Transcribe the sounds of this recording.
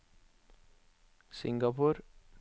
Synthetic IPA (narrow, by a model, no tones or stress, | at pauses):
sɪŋɡɐpuːɾ